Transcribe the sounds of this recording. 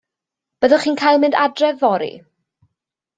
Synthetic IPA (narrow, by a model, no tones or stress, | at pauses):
b̥əðəχiːnkʰajlˠmɪndadrɛvɔɾḭ